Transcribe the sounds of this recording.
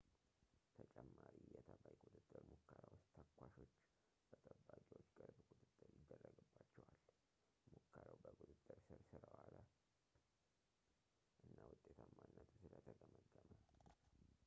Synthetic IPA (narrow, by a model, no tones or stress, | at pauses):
t̪ʰət͡ʃʼɛmːaɾijɛt̪ʰəbajkʼut̪ʼɨt̪ʼːɨɾmukːəɾawst̪ʰəkʰʷːaʃo̞t͡ʃː | b̥ət̪ʰʼəbːaɡʼiwo̞t͡ʃːɡəɾbkʼut̪ʼɨt̪ʼːɨɾjɪd̪ːərːəɡɨbːat͡ʃːɛwal | mukːəɾawbəkʼud̪ʼɨt̪ʼːɨɾsɨɾsɨɾəwalə | ʔɨnːawʊt̪ʼːet̪ʰamːanːət̪ʰusɨlət̪ʰəɡəməɡːəmə